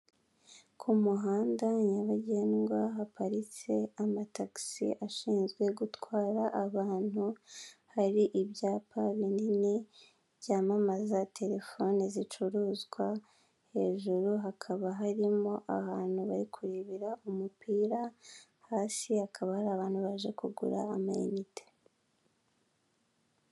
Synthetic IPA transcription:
kʰumuɦaːndaɲaβaɟeːnɡwaɦapaɾit͡se̞amataksḭʔaʃiːnzɡwe̞ɡutwaːɾaʔːβaːnhuhaɾiʔiβjaːpʰaβinini | βɟaːmamazatʰe̞ɾe̞fo̞ːnezit͡ʃuɾuːzɡwa | he̞ːʒuɾuɦakʰaβaɦaɾimo̞ʔa̰haːn̥huβaɾikʰuɾiβiɾaumupʰiːɾa | haːsihakʰaβahaɾaːβaːn̥huβaʒekuɡṵɾa̰ːmaḛnite̥

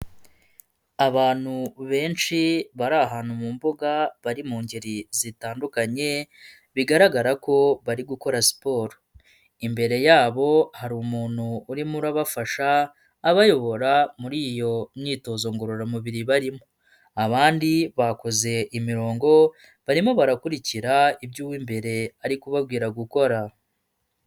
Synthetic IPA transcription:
aβaːn̥huβe̞ːnʃiβaɾaɦaːnhumuːmbuɡaβaɾimuːɲɟeɾizitaːndukaɲe̞ | βiɡaɾaɡaɾako̞βaɾiɡuko̞ɾasi̥po̞ːɾo | imbe̞ɾe̞jaːβo̞haɾuːmuːn̥huːɾimuɾaβafaʃaː | βajo̞βo̞ɾamuɾijo̞niːto̞zo̞ːŋɡoɾoɾamuβiɾiβaɾimo | aβaːndiβako̞ze̞ʔimiɾo̞ːŋɡo̞ | βaɾimo̞βaɾakuɾiciɾaibjuːwiːmbe̞ɾe̞aɾikuβabɡiːɾaɡuko̞ɾa

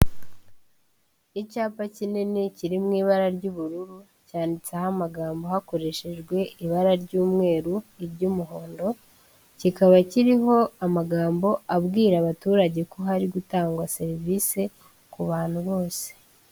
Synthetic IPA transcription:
icaːpacineneciɾimŋiːβaɾaɾɟuːβuɾuɾu | caːndit͡sahamaɡaːmbo̞hako̞ɾe̞ʃe̞ʒɡwe̞ʔiβaɾaɾɟuːmŋe̞ːɾuiɾɟumuɦo̞ːndo̞ | cikaβaciɾiɦo̞amaɡaːmbo̞ʔabɡiːɾaβatuːɾaɟe̞ko̞ɦaɾiɡutaːŋɡwase̞ɾiviːse̞ | kuβaːn̥huβo̞ːse̥

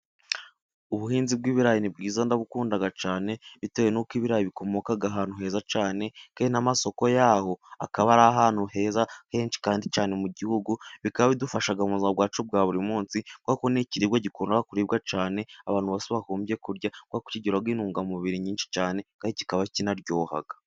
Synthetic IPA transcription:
uβuhiːnzib̚ɡiːβiɾajinib̚ɡiːzandaβukuːndaɡat͡ʃaːne̞βitejenukiːβiɾajiβiko̞mo̞kaɡaɦaːn̥huɦe̞ːzat͡ʃaːne̞kaːndinamaso̞ko̞jaho̞a̰kaβaɾaɦaːn̥huhe̞ːzahe̞ːnt͡ʃi̥kaːndicaːne̞muɟihuɡuβikaβaβidufaʃaɡamuzabɡwaːt͡ʃub̚ɡaːβuɾimuːnsikwakoniciɾiɡwaɟikuːndaɡakuɾiːb̚ɡat͡ʃaːne̞aβaːn̥huβasiβahuːmbje̞kuɾɟakwaku̥ciɟiɾabɡiːnuːŋɡamuβiɾiɲiːnʃi̥t͡ʃaːne̞kaːnici̥kaβacinaɾɟoːha̰ɡḁ

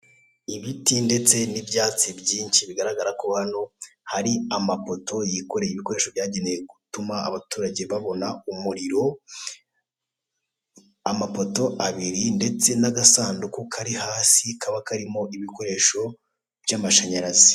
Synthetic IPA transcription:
iβitinde̞t͡se̞nibɟaːt͡sibɟiːnʃiβiɡaɾaɡaɾakohano̞haɾiamapo̞tʰo̞jiko̞ɾejiβiko̞ɾe̞ːʃo̞bjaːɟe̞neje̞ɡutuma̰ːβatuːɾaɟe̞βaβo̞naumuɾiɾo̞ | amapo̞to̞ʔaβiɾinde̞t͡se̞naɡasaːndukukʰaɾihaːsikʰaβakaɾimo̞ʔiβiko̞ɾe̞ːʃo̞ | b̥jaːmaʃaɲaɾazi̥

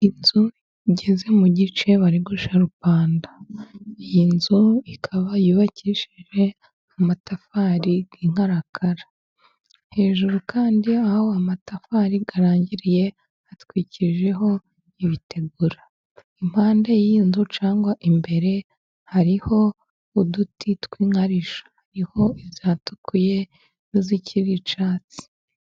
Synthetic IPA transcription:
inzu | iɟe̞ze̞muɟit͡ʃe̞βaɾiɡuʃaɾupaːndaijinzuikʰaβajuβaciʃiʒe̞ | amatafaɾiɡ̥iŋ̥haɾakʰaɾa | he̞ːʒuɾukʰaːndiahhoamatafaɾiɡaɾaːɲɟiɾije̞ | atkwiːciʒe̞ɦo̞ | iβitʰe̞ɡuɾa | im̥haːndejiːnzut͡ʃaːŋɡwaʔimbe̞ɾe̞ | haɾiho̞ | udutʰitkwiːŋaɾiʃḁhaɾiho̞iβzjaːtu̥kuje̞ | niziciɾit͡ʃaːt͡si̥

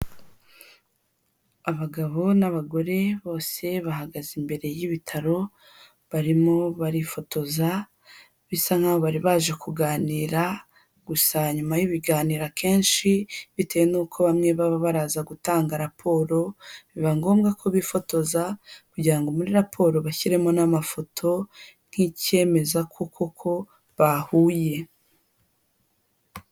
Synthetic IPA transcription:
aβaɡaβo̞naβaɡo̞ɾe̞βo̞ːse̞βahaɡazimbe̞ɾe̞jiβitʰaɾo̞ | βaɾimoβaɾifo̞tʰo̞za | βisaŋ̥haβoβaɾiβaːʒe̞kʰuɡaːniːɾa | ɡ̥usaɲumajiβiɡaːniːɾakʰe̞ːnʃiβite̞jenuːkʰo̞βamŋe̞βaβaβaɾaːzaɡutaːŋɡaɾapʰo̞ːɾo̞βiβaŋɡo̞ːmɡakʰo̞βifo̞to̞zakuɟiɾaŋɡo̞muɾiɾapʰo̞ːɾo̞βaçiɾe̞mo̞namafo̞tʰo̞n̥hice̞ːme̞zakʰukʰokʰo̞ | βahuːje̞

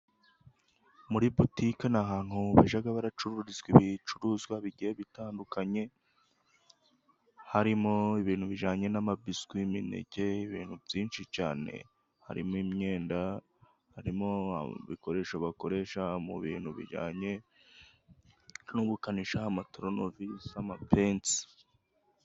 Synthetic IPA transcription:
muɾibutikanaɦaːn̥huβaʒaɡaβaɾat͡ʃuɾuɾizɡwiβit͡ʃuɾuzɡwaβiɟieβitaːndukaɲe̞ | haɾimo̞iβiːnhuβiʒaːɲe̞namabiskwimine̞̰ɟe̞iβḭːn̥huvjiːnʃit͡ʃa̰ːne̞̰ | ha̰ɾimimɲe̞ːnda | haɾimoa̰βḭko̞ɾe̞ʃoβako̞ɾe̞ʃamṵβḭːn̥huβḭʒa̰ːɲe̞ | nuβukaniʃahamatɾo̞novisamapent

